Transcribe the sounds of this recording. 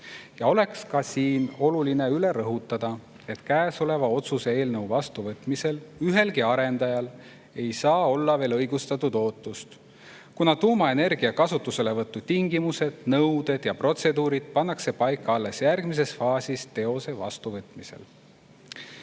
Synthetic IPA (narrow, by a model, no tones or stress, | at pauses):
jɑo̞le̞kskɑsiːno̞luline̞yle̞ɾɤɦut̪ːˑɑd̪̥ɑ | e̞t̪kæːso̞le̞vɑo̞t̪suse̞e̞ːlnɤwvɑst̪uvɤt̪ˑmise̞lyɦe̞lkiɑɾe̞nd̪̥ɑjɑl | e̞jsɑːo̞lːɑve̞ːlɤjɡ̥ust̪ɑt̪ːˑud̪o̞ːt̪ːˑust̪ | kunɑt̪uːmɑe̞ne̞rɡ̥iɑkɑsut̪ːˑuse̞le̞vɤt̪ːu̥t̪iŋɡimuse̞d̪̥nɤwd̪̥e̞d̪̥jɑpro̞t̪se̞d̪uːɾid̪̥̚pɑnːɑkse̞pɑjkːɑɑlːe̞sjærɡmis̬e̞sfɑːsist̪e̞o̞se̞vɑ̰st̪uvɤt̪ːˑmise̞̰l